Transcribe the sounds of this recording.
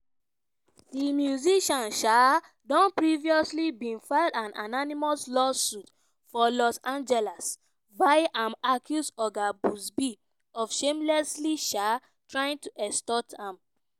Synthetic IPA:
dimjuziʃɔ̃nʃa | dɔ̃npɹiviɔslibĩnfadãna̰nanimɔslɔsːut | fɔlɔsãnd͡ʒɛlas | vaɪʔãmakʰjusɔɡabusbi | ɔfʃẽmlɛsliʃa | tɹaĩŋtuʔɛstɔtʰãm

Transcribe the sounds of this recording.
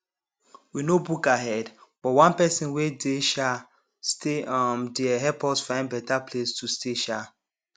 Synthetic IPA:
winobukaɦɛdb̥ɔwãnpɛsĩnwedeʃa | steamdeɦɛpɔtsfãɪ̃nbɛtaplestʰustʰeʃa

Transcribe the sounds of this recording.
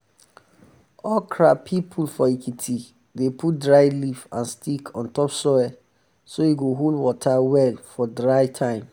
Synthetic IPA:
ɔkʰɹapʰipʰulfɔikitʰi | depʰut̚dɹaɪlifãnstʰikʰɔ̃ntɔpsɔwɛ | sojeɡoɦolwɔtʰawɛlfɔdɹaɪtʰãɪ̃m

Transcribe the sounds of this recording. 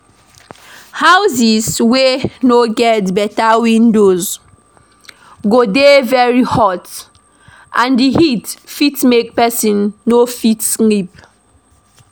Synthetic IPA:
hawzizwenoɡɛtbɛtawĩndoz | ɡodevɛɹihɔt | ʔãndihitfitmek̚pɛsĩnːofitslip̚

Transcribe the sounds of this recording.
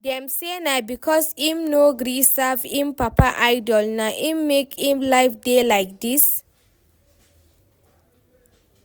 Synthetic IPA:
dɛ̃msenabikʰɔsĩmnoɡɾisavĩmpapaʔaɪdɔlnaʔĩmːekĩmlaɪfdelaɪk̚d̪is

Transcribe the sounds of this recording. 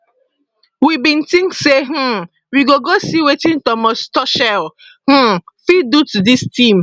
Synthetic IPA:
wibĩntĩŋkseɦ̩ | wiɡoɡosiwetĩntɔmɔstɔʃɛl | h̩fidutudistĩm

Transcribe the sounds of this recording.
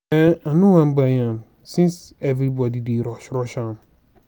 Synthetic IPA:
ɛanũwãnbajãm | sĩnsɛvɾibɔdideɾɔʃɾɔʃãm

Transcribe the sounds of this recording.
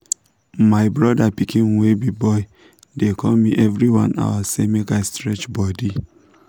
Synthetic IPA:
maɪbɹɔdapikĩnwebibɔɪ | dekʰɔmiʔɛvɹiwã̰na̰wasemekaɪstɹɛt͡ʃbɔdi

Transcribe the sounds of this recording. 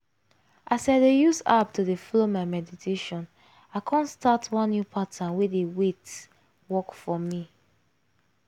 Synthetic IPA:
ʔasaɪdejusap̚tudefɔlomaɪmɛditʰeʃɔ̃n | aɪkʰãntstatʰwãnːjupʰatʰãnwedewet | wɔkfɔmi

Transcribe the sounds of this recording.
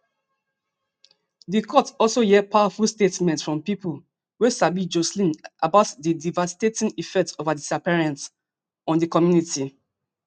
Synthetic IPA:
dikʰɔtɔlsojɛpʰaʊafulstetmɛ̃ntsfɹɔ̃mpipul | wesabid͡ʒoslĩnʔabaʊtdidivastetĩnifɛk̚tovadisapiɹãns | ɔ̃ndikɔmjuniti

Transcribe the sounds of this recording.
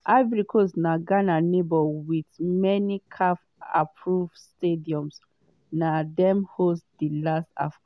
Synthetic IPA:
avɹikʰosnaɡananebɔwitmɛnikʰaf | a̰pʰɹuvstediɔ̃ms | nadɛmhosdilasta̰f

